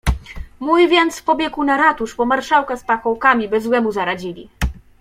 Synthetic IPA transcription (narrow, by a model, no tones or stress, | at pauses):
mujvʲjɛnt̪spɔbʲjɛkunaɾat̪uʂpɔmaɾʂawkaspakɔwkamʲibɘzwɛmuzaɾad͡ʑilʲḭ